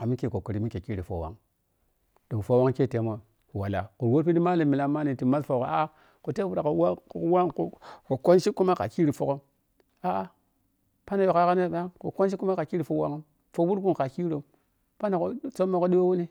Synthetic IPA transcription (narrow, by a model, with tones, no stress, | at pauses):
a˨mi˦ke˨ko˨ku˨ɾi˦mi˦ke˨ki˦ɾi˨fo̰˨wa̰˦ŋ | do˨fo˦wa˦ŋke˦˨te˨˦mo˨ | wa˨la̰˨ku˨ɾwo˦ɾpi˦di˦ma˦li˨mi˨la˨˦ma˦ni˨ti˨ma˦sfo˨ko˨a˦ | ko˨te˦fu˦ɾa˨ko˨wa˦˨˦wa˦ŋko˨ko˨ko˦nʃi˦kːu˦ma˦ka̰˨ki˦ɾi˨fo˨ko˦m | a˦ | pa˦na˨jo˨ka˦ka˦ne˦˨ba˦ŋko˨ko˦nʃ̬i˦kːu˦ma˦ka˨ki˦ɾi˨fo˦wa̰˦ŋ˦m | fo˦wu˦ɾku˦nka˨ki˦ɾo˨ | pa˦na˨ko˨˦t͡so˦mːa˨ko˦ɗi˦wo˦wu˦ni˦